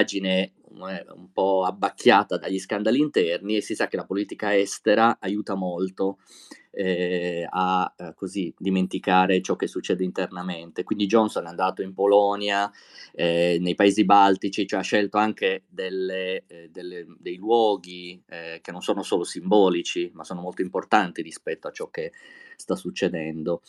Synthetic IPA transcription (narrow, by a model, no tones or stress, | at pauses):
d͡ʒine | ɛṵmpɔabːak̟ʰːjaːt̪ad̪aʎːiskand̪alint̪ɛrniesisak̟ːelapoliːt̪ikaɛst̪eɾaajuːt̪amolt̪o | ɛakːozid̪iment̪ikaːɾet͡ʃɔk̟ːesːut͡ʃːɛːd̪eint̪ernament̪ekwind̪id͡ʒɔnsonɛand̪aːt̪oimpolɔnja | ɛnejpaeːzibalt̪it͡ʃit͡ʃoɛaʃːɛlt̪oaŋk̟ed̪elːed̪elːed̪ejlwɔːɡik̟enːonsoːnosoːlosimbɔːlit͡ʃimasːoːnomolt̪oimport̪ant̪iɾispɛt̪ːoat͡ʃːɔk̟ːest̪asut͡ʃːed̪ɛnd̪o